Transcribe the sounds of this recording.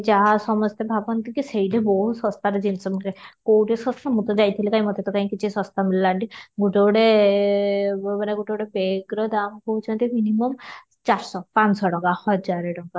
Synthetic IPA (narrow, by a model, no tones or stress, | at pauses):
d͡ʒaɦasɔmɔst̪ebʱabɔnt̪ikisejʈeboɦusɔst̪aɾed͡ʒinsɔmkekowʈesɔst̪ʰamut̪ɔd͡ʒajt̪ʰilekaj̃mɔt̪et̪ɔkaĩkit͡ʃʰisɔ̃st̪amilːaʈiɡuʈowɽe | maneɡuʈowɽepeɡɾɔd̪amkɔɦut͡ʃʰɔnt̪iminimɔm | t͡ʃaɾsɔpansɔɽɔŋɡahɔd͡ʒaɾeɖɔɡa